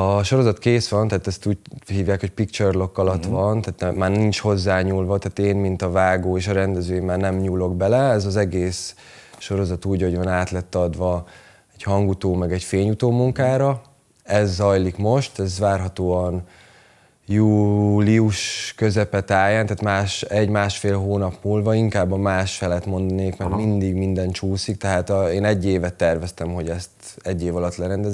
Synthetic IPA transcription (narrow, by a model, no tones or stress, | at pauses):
ɒʃo̞ɾo̞zɒt̪keːsʋɒnt̪aːt̪ɛst̪uːɟhiːvjaːkho̞cpikt͡ʃɛrlo̞kːɒlɒt̪ʋɒnt̪aːt̪nɛmːaːrnint͡ʃho̞zːaːɲuːlvɒt̪aːt̪eːmmint̪ɒvaːɡoːeːʃɒɾɛnd̪ɛzøːjimːaːrnɛmɲuːlo̞ɡ̚bɛlɛɛzɒzɛɡeːs | ʃo̞ɾo̞zɒt̪uːɟo̞ɟvɒnaːt̪lɛt̪ːɒd̪ʋɒ | ɛchɒŋɡut̪oːmɛɡɛcfeːɲut̪oːmuŋkaːɾɒ | ɛzːɒjlikmo̞ʃt̪ɛzvaːrɦɒt̪oːɒn | juːliuʃkø̞zɛpɛt̪aːjant̪aːt̪maːʃɛɟmaːʃfeːlɦoːnɒpmuːlvɒiŋkaːbːɒmaːʃfɛlɛt̪mo̞nd̪ɒneːkmɛɾmind̪iɡmind̪ɛnt͡ʃuːsikt̪ɛɦaːt̪eːnɛɟːeːvɛt̪ːɛrvɛst̪ɛmɦo̞ɟɛst̪ɛɟːeːvɒlɒt̪lɛɾɛnd̪ɛz